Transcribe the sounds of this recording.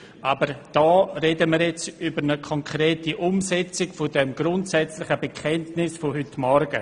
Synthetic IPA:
ʔabəɾd̥ɔːreːdəmiːɾjɛt͡sybəɾnəkʰɔŋkʰreːtiʔʊmsɛt͡sɪkfodɛmɡɾʊntsɛt͡slɪχəbekʰɛntnɪsfoɦʏtmɔɾɡ̥ə

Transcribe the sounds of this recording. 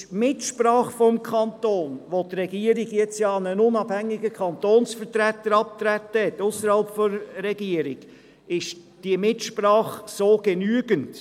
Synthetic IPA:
ʃmɪtʃpɾɑːχfɔmkʰχɑntoːnʋot̪ɾɛɡiəɾɪɡjɛt͡sjɑːɑnənʊnɑb̥hæŋːɪɡəkʰɑnt̪oːnsfəɾtɾæt̪ːəɾɑp̚t̪ɾætːəhɛtʊsəɾhɑlpfɔɾɾɛɡ̥iəɾɪɡ̥ | ɪʃ | d̥iəmɪtʃpɾɑːχsoːɡ̥enyːɡənt

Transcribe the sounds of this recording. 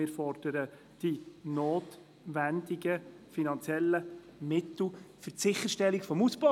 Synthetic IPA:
ɪːɾfɔɾd̥əɾə | d̥inoːt | ʋændiɡə | finɑnt͡sjɛlːəmɪt̪l̩ˠfətsɪχəɾʃtɛlikfɔmusb̥o

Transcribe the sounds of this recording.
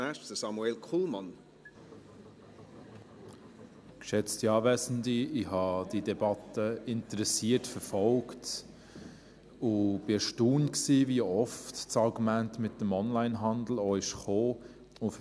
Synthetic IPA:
ɛʃəsɑmuelkʰuːlmɑn | kʃɛt͡stiɑːvɛsn̩diɪhɑd̥idɛbɑtəɪntəɾɛsiːətfəɾfɔlkt | ʊb̥ɪəʃtuːnksiːviəɔftt͡sɑɾɡumæntmɪt̚dəmɔnlaɪnɦɑnd̪l̩ɔɪʃχoː | ʊf

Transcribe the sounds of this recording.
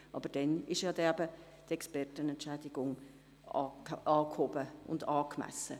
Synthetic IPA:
ʔɑ̰b̥əɾd̥ɛnɪʃjɑːdɛæbə | tɛkspɛrtənɛntt͡ʃɛdɪɡʊŋ | ɑːkhobəʊ̰ndɑːkmæ̰sə

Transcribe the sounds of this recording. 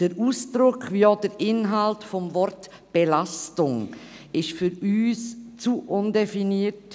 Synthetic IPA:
d̥əɾuːsd̥ɾʊkʰviːoːdəɾɪnɦaltfɔmvɔɾt | b̥elastʊŋ | ɪʃfʏɾyːst͡suʔʊndefiniːəɾt

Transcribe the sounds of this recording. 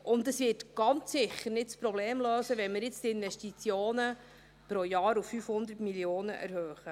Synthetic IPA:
ʔʊndəsvɪːtɡ̥ɑnt͡sːɪχːəɾnɪtspɾɔbleːmløːsəʋɛnmɪɾjɪt͡stɪnvɛʃtit͡sjoːnə | pɾojɑːɾufːyfhʊnd̪ətmiljoːnə̰ʔæ̰ɾhøːχə

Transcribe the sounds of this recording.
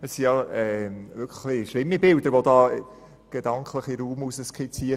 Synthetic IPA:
əssijɑɛʋʏkʰə̥χliʃlɪmːibɪld̥̪əɾʋod̪ɑː | ɡ̥ed̥̪ɑŋkʰləχiɾuːmusəskχɪt͡siə

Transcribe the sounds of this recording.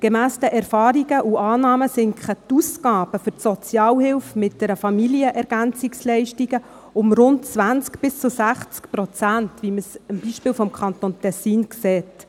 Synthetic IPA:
ɡ̥emæːstəʔɛɾfɑːɾiɡəʔuʔɑːnɑːməsɪŋkχətuskɑːb̥əfʏrtsɔt͡sjɑːlhɪlfmɪt̚d̥ɛɾəfɑmiliəʔɛɾɡ̥ænt͡sikslɛɪʃtiɡə | ʊmɾʊntt͡sʋænt͡skb̥ɪst͡sʊsæχt͡skpɾɔt͡sæntʋiməsəmbiʃpɪːwfɔmkχɑnt̪ontɛsiːnkseːt

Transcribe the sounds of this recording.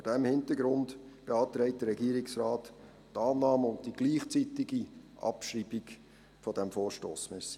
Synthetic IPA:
odɛmhɪntəɡɾʊnd | b̥eɑːtɾɛɪt̚d̥əɾɛɡiːɾɪksrɑːt | tɑːnɑːməʊnt̚d̥iɡ̥liːχt͡sitɪɡ̥i | ʔɑ̰pʃriːbiɡ | fɔd̥æmfoːʃto̰ːsmɛs

